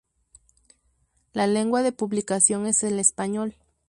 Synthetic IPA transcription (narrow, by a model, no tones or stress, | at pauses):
lale̞ŋɡwaðe̞puβlikasjo̞ŋe̞se̞le̞spaɲo̞l